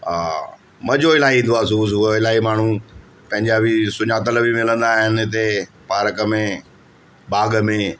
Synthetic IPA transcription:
aː | mɐd͡ʑoɪlaːɦiĩnd̪oaːsuːs̬uoɪlaːɦimaːɳ̤ũ | pɐ̃ɦɪ̃ɲd͡ʑaːbisʊɲaːt̪ɐləʋimɪlə̃nd̪aːɦɪnɪɪt̪̬e | paːɾəkəmẽ | ɓaːɠmẽ

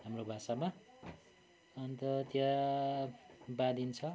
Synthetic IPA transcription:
ɦamrobʱasama | ʌnt̪ʌt̪ja | bad̪int͡sʰʌ

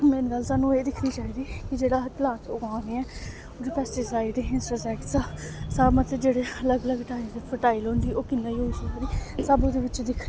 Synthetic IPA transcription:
meːnɡəlsaːnũːeːd̪ɪkʰniːt͡ʃaːɦiːd̪iːkɪd͡ʒeːɽaːt̪lãːt͡ʃoːɡãːniːɛː | od̪iːpɛːsʈesaːiɖeːɪnsʈəːsɛːkʈsasamət̪ed͡ʒeːɽeːələɡələɡʈaːimd̪epʰəʈaːilɦõːnd̪iːʔoːkɪnːẽːiːoːʃikəɾiːsəbʊd̪eːʋɪt͡ʃd̪ɪkʰɾi

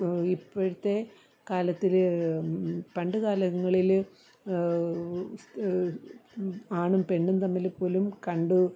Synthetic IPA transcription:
ipːoɻut̪ːe̞ | kaːlɐt̪ːil | pɐɳɖɨɣaːlɐɣɐŋːɐɭil | aːɳumpe̞ɳɖunt̪ɐmːɐlepːo̞ːlumkɐɳɖɨ

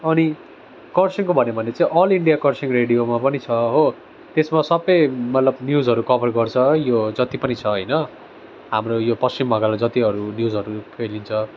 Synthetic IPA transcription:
ʌni | kʌrsiŋkobʱʌnebʱʌnet͡sãĩʔʌliɳɖijakʌrsiŋreɽijomapʌnit͡sʰʌɦo | t̪esmasʌbʌjmʌt̪lʌbnjuzɦʌɾukʌbʌrɡʌrt͡sʰʌjod͡zʌt̪ipʌnit͡sʰʌɦʌjnʌ | ɦamrojopʌst͡simbʌɡalad͡zʌt̪iɦʌɾunjud͡zʌɾupʰelint͡sʰʌ

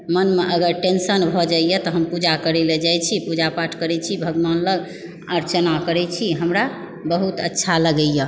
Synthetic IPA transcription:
mənmeʔəɡəɾʈensənbʱɔd͡ʒaijət̪ɔɦəmpud͡ʒakəɾɛled͡ʒajt͡ʃʰipud͡ʒapaʈʰkəɾɛt͡ʃʰibʱəɡʋanləɡ | əɾt͡ʃənakəɾɛt͡ʃʰiɦəmɾa | bəɦut̪ə̰tːʃʰaləɡəjjə

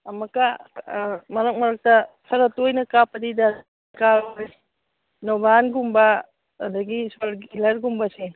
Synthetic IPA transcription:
ɐmɐka | mɐɾɐk̚mɐɾɐk̚tɐ | sʰɐɾɐtojnɐkapɐdida | kaɾoj | nɔbanɡumbɐ | dɐɡisalɡilɐɾɡumbɐsi

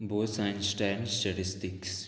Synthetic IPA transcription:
boːsajnsʈɛːnsʈɐʈɪsʈɪks

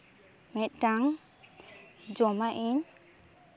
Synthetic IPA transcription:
mɛt̪̚ˀtaŋ | d͡ʒɔmaʔin

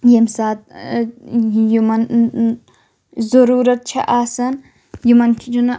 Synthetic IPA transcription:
jemsaːt̪̚ | jumɐn | zɐɾuːɾɐt̪̚t͡ʃʰɐ̰ʔaːsɐn | jumɐnkʰʲid͡ʒun

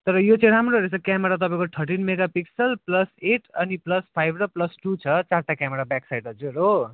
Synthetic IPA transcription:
t̪ʌɾʌjot͡seɽamɾʌɾet͡sʰʌkamʌɾat̪̬ʌpãĩkoʈ̪ʰʌɾʈinmeɡapiksʌlplʌseʈʰʌniplʌspʰajbʱɾʌplʌsʈut͡sʰʌt͡sarʈ̪akameɾabjaksajɖʌd͡zuɾo

